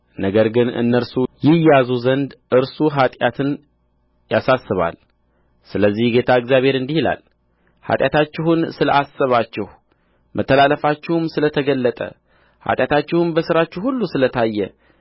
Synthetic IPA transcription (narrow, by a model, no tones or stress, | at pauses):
nəɡəɾɡɨnɨ̰nːəɾsujɪjazuzənd̪ʔɨɾsuɦat̪ʼjat̪ʰɨn | jasasːɨβa̰l | sɨləzːihɡe̞t̪ʰaɨɡzijaβhe̞ɾɨnd̪ihila̰l | ha̰t̪ʼjat̪ʰat͡ʃːɪɦunsɨləʔasːəβat͡ʃːɪh | mʔət̪ʰːəlaləfat͡ʃːɪhumsɨlət̪ʰəɡəlːət̪ʼə̰ | ha̰t̪ʼjat̪ʰat͡ʃːɪhɨmbəsɨɾat͡ʃːɪhulːusɨlət̪ʰajːɛ